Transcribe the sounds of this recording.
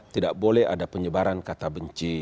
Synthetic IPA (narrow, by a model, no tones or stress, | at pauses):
t̪idaʔbolɛha̰dapəɲəbaɾankat̪abəɲt͡ʃi